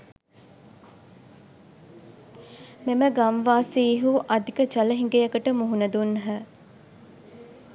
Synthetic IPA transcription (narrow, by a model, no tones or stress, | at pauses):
meməɡamʋaːsiːɦuʔad̪ikət͡ʃɐləɦiŋɡejəkəʈəmuɦunəd̪unɦə